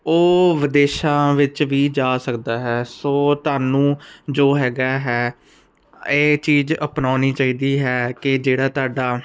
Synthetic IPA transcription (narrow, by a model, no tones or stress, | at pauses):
oːʋɪd̪eːʃãːʋɪt͡ʃʋiːd͡ʒaːsəkd̪aːɦɛːsoːt̪ʊaːnũːd͡ʒoːɦɛːɡaːɦɛː | eːt͡ʃiːzəpnaːniːt͡ʃaːiːd̪iːɦɛːkɪd͡ʒeːɽaːt̪ʊaːɖaː